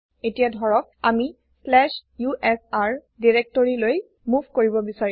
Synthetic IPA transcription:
etijadʱɔɹɔk̚ami | slɛʃjuʔɛsaɹ | diɹek̚toɹiloj | mubʱkoɹibɔbisaɹi

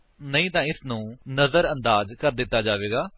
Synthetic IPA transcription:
nəĩːt̪ãːɪsnũːnəzəɾənd̪aːzkəɾd̪ɪt̪ːaːd͡ʒaːʋeːɡaː

